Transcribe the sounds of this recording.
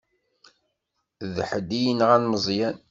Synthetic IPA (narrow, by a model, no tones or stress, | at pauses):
ðħəd̪ijənʁænməzˤjæn